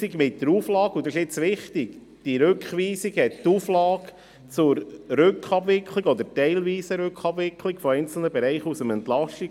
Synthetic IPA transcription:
iɡmɪtdəɾuːflɑːɡud̪ɑɪʃɪt͡sʋɪχtɪɡ | d̥iɾʉkχʋiːsiɡhɛttuːflɑːk | t͡sʊɾɾʏkχɑbʋɪkʰliɡɔd̪əɾtɛɪlʋiːsəɾøkχɑb̥ʋɪkʰlikfɔɛɪnt͡sl̩nəbɛɾɛɪχusəmɛnt̪lɑʃti

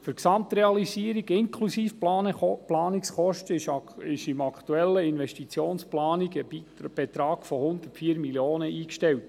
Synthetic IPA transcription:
fʏɾksɑmt̪ɾɛɑlisiəɾiɡɪŋkʰlusiːf | plɑːniksχɔʃtəɪʃɪmɑkt̪uɛlːəɪnvɛʃtit͡sjoːnsplɑːniɡəb̥et̪ɾɑːɡ̥fɔhʊnd̪ərtfiːəɾmiljoːnəʔiːkʃtɛlt

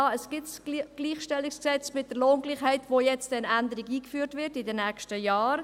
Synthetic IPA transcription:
ɑəsɡ̥ɪtsɡ̥liːχʃtɛlːiksksɛt͡smɪt̚d̥əɾloːnɡliːxhɛɪtvoːjɛt͡stdɛnændəɾiɡiːkfyːɾtvɪɾtɪdɛnːɛːkʃtəjaːɾ

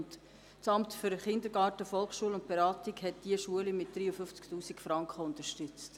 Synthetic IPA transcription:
nt | t͡sɑmtfʏɾəχɪndəɾɡɑːtəfɔlˠχʃuəlʊnt̚b̥eɾɑːtikhɛtd̥iəʃuəlimɪtd̥ɾiːəfʏft͡sktuːsikfɾɑŋkχəʊntəʃtʏt͡st

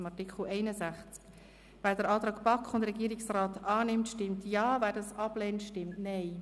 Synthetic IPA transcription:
mɑɾtɪkχl̩ɛɪnəzæχt͡sk | væːɾdɛɾɑːt̪ɾɑːkbɑkχʊndɾɛɡiːɾɪksraːtɑːnɪmtʃtɪmtjɑːvæːdɑsɑb̥lɛːntʃtɪmtnɛɪ

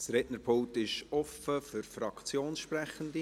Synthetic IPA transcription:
sɾɛʔnəɾpʰʊŋ̚tɪʃɔfəfʏɾfɾɑkt͡sjoːnsʃprɛχəndi

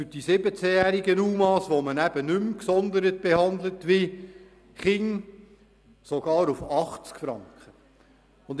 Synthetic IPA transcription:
fyɾd̥isɪbət͡sɛjæːɾiɡənuːmɑːsʋomənæb̥ənʏmksɔnd̪əɾət̚b̥ehɑndlətʋi | χɪŋ | soɡ̥ɑːɾufɑχt͡skfɾɑŋkχə | ʊnd

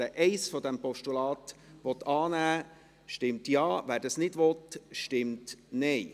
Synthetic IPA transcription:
əʔɛɪsfɔd̪ɛmpɔʃtulɑːt̪ʋɔt̪ɑːnæː | ʃtɪmtjɑːʋæːɾdɑsnɪdʋɔt̪ʃtɪmtnɛɪ

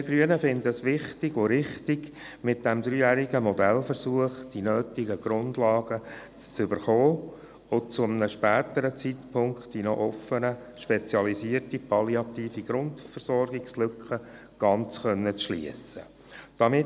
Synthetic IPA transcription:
iəɡɾyənəfɪndəsʋɪχtɪɡoɾɪχtɪɡ | mɪt̚d̥ɛmd̪ɾyːjæːɾiɡəmɔdɛlfəɾsuəχd̥inøːt̪ɪɡəɡ̥ɾʊndlɑːɡ̥ə | t͡st͡sʏbəɾχoː | ʊt͡sʊmənəʃpæːtəɾət͡sitpʰʊŋktd̥inɔ̰ʔɔfənə | ʃpɛt͡sjɑlisiərtipʰɑliɑt̪iːfiɡ̥ɾʊndfərsɔrɡɪkslʏkχə | ɡ̥ɑnt͡sχœnːət͡sʃlḭəsə | d̥ɑmɪ

